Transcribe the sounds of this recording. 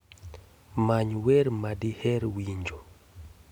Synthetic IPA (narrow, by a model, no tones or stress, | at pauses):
maɲwɛɾmadihɛɾwiɲd͡ʒo